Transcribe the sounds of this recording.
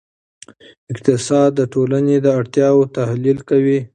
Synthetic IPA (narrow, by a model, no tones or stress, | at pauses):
ɪqt̪ɪsɑd̪̚ːəʈolaned̪əaɽt̪jɑwot̪ahlilkawi